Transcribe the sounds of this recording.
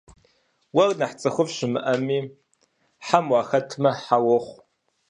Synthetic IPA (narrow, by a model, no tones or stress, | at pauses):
wɐrnaħt͡sʼɐxʷʊvʃɪmɨ̰ʔɐmiː | ħamwaːxɐtʰmɐħawɐχʷ